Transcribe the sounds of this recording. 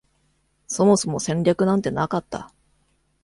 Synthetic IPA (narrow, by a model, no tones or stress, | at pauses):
so̞mo̞so̞mo̞sẽ̞ɲʲɾʲakɯ̟nãnt̪e̞nakat̪ːa̰